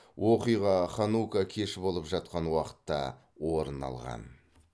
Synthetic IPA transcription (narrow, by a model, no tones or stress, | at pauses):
wʔo̞qijʁɑχɑnukakʲʰe̞ʃɪbo̞lˠəpʒɑt̪̚qɑnwɑqə̥t̪ːɑ̰ | woɾənɑ̰lˠʁɑ̰n